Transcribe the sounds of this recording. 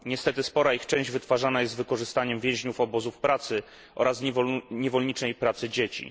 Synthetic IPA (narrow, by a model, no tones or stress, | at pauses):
ɲɛst̪ɛt̪ɘspɔɾaixt͡ʂɛ̃w̃ʑd͡ʑvɘt̪faʐanajɛst̪vɘkɔʐɘst̪aɲɛmvʲjɛ̃w̃ʑɲufɔbɔzufpɾat̪sɘ | ʔɔ̰ɾasɲɛvɔlɲit͡ʂ̪ɛjpɾat̪sɘd͡ʑet͡ɕḭ